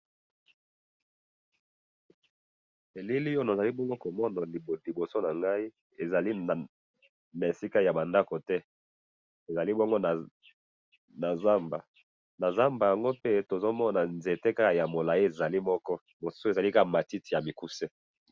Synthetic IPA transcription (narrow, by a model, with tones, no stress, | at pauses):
e˨li˦li˦jo˦na˨za˨li˦bɔ˦ŋɡo˦ko˨mɔ˦na˨li˨bo˨so˦na˨ŋɡa˦i˦ | e˨za˨li˦a˨ | na˨e˨si˦ka˦ja˨ba˨nda˦ko˨tɛ˦ | e˨za˨li˦bɔ˦ŋɡo˦na˨ | na˨za˦mba˨ | na˨za˦mba˨ja˨ŋɡo˦pe˦to˨zo˦mɔ˦na˨nze˨te˦ka˦ka˨ja˨mo˨la˨ji˦e˨za˨li˦mɔ˦kɔ˦ | mo˨su̥˦so˦e˨za˨li˦ka˦ka˨ma˨ti˦ti˨ja˨mi˨ku˦se˦